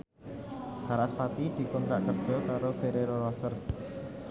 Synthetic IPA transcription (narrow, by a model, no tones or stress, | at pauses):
haɾaspat̪id̪̥i̤kʊnka̰ʔkərd̥ʒ̥ɔ̤kaɾofeɾeɾoɾasər